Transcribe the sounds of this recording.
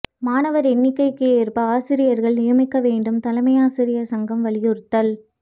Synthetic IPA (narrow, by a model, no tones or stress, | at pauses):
maːnɐʋɐɾɛnːɪkːɐɪkːɯjːɾpɐaːsɪɾɪjɐɾɣɐɭnɪjɐmɪkːɐʋeːɳɖɯmt̪ɐlɐmɐjaːsɪɾɪjɐsɐŋɡɐmʋɐlɪjɯɾt̪ːɐl